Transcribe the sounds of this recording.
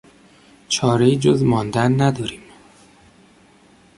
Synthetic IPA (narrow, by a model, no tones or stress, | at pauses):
t͡ʃʰɒːɾeiːd͡ʒozmɒːnd̪ænːæd̪ɒːɾiːm